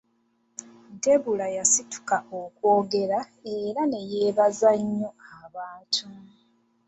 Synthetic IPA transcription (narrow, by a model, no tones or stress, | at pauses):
nte̞βulajasitu̥kaokwoːɡe̞ɾa | e̞ɾane̞je̞ːβazaɲːo̞aβaːtʰu